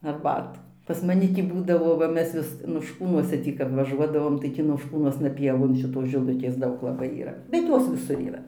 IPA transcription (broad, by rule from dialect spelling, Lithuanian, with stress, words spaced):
ɐrˈbɑːtuː pɐs mɐˈnʲɪ ˈtʲiː ˈbuːdɐʋoː ʋɐ ˈmʲɛs ʋʲɪs noːʃˈkuːnuɔsʲɛ ˈtʲiː kɐp ʋɐˈʒuɔdɐʋoːm tɐɪ tʲiː noːʃˈkuːnuɔsnɐ ˈpʲiɛʋoːn ʃʲɪˈtoːs ʒʲɪˈlˠʊkʲeːs ˈdɐʊk lˠɐˈbɐɪ iːˈrɐ bʲɛt ˈjoːs ʋʲɪˈsʊr iːˈrɐ